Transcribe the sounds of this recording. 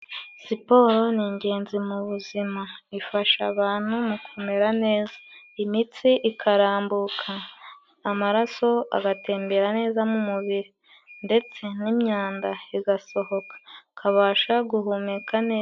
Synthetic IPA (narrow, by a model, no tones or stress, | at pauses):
sipo̞ːɾo̞niɲɟe̞ːnzimuβuzimaifaʃaβaːn̥humukʰumeɾane̞ːza | imit͡siʔikʰaɾaːmbukʰaː | maɾaso̞a̰ɡate̞ːmbe̞ɾane̞ːzamumuβiɾi | nde̞t͡se̞nimɲaːndaiɡaso̞ho̞kḁkʰaβaːʃaɡuɦumekʰaneː